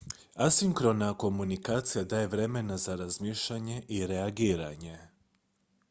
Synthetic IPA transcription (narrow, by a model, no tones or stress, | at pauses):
asiŋkɾo̞nako̞munikaːt̪sijad̪aːje̞ʋɾe̞me̞nazaɾazmiːʃʎaɲe̞ʔiɾe̞aɡiːɾaɲe̞